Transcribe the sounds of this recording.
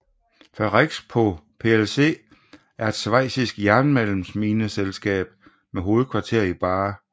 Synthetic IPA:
fɶʁeɡ̥spʰɒ̽pʰe̝else̝̰ː | æɐe̝d̥sʋɑ̈ɪ̰sisɡ̥jæɐnmelm̩sminəselsɡ̥ɛ̰ːb̥ | meɦo̝ːð̞̩ˠkʰʋɑ̈t͡sʰe̝ɐ̰ib̥ɑ̈ː

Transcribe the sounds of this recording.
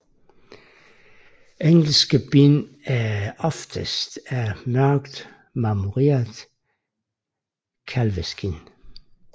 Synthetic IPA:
eŋl̩sɡ̥əb̥inæɒfd̥əsd̥æɐmœɡ̥d̥ | mɑmuʁeːɐd | kʰælʋesɡ̥in

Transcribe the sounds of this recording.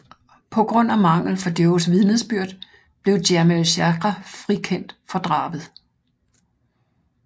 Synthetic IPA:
pʰɒ̽ɡ̥ʁɔ̽n̰æmɑ̈ŋ̰l̩fɒ̽d̥øʊsʋiðˠnəsb̥yɐ̰d̥ | b̥le̝ʊd̥æɐmeɕæɡ̥ʁɐfʁikʰen̰d̥fɒ̽d̥ʁɑ̈ːb̥ð̞̩ˠ

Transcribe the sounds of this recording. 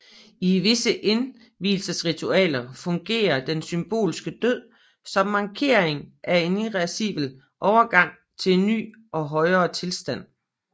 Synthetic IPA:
iʋe̝səʔe̝n | ʋḭːlsəsʁit͡sʰuɛ̰ːlɐfɔ̽ŋɡ̥e̝̰ːɐd̥ensymb̥o̝̰ːlsɡ̥əd̥øð̰ˠ | sɒ̽mːɑ̈ŋkʰe̝ːɐ̰eŋʔæe̝niʁæsiʋ̥l̩ | ʔɒʊɐɡ̥ɑ̈ŋ̰ | t͡sʰe̝nːy̰ː | ɒ̽ɦɒ̽ɪɐːt͡sʰe̝lsd̥æn̰

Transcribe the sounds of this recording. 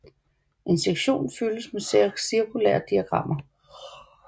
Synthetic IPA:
ʔe̝nseɡ̥ɕo̝̰ːnfyləsmessiɐkʰulɛ̰ɐd̥iæɡ̥ʁɑ̈m̰ɐ

